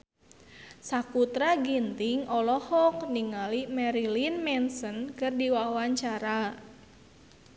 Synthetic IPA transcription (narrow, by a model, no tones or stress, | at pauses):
sakut̪ɾaɡint̪ɪŋʔɔlɔhɔk̚niŋalimɛɾilinmɛnsənkɨrdiwawaɲt͡ʃaɾa